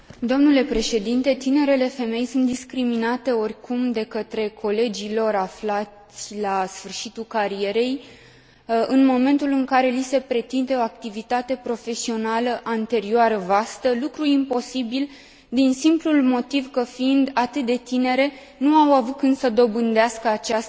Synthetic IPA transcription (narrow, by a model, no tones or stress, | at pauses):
d̪o̞mnule̞pɾe̞ʃe̞d̪int̪e̞t̪ine̞ɾe̞le̞fe̞me̞jsunt̪̚d̪iskɾiminat̪e̞o̞rʲkumd̪e̞kət̪ɾe̞kʰo̞le̞d͡ʒilo̞ɾaflat̪sʲlasfɨrʃit̪ulkaɾie̞ɾe̞j | ɨnmo̞mẽ̞nt̪ulɨŋkaɾe̞lise̞pɾe̞t̪int̪eoak̚t̪ivit̪at̪e̞pɾo̞fe̞sio̞naləʔant̪e̞ɾioaɾəvast̪əlukɾuimpo̞sibil | d̪insimplulmo̞t̪ivkəfiind̪at̪ɨt̪̚d̪e̞t̪ine̞ɾe̞ | nuawavukɨnsəd̪o̞bɨnd̪easkəat͡ʃas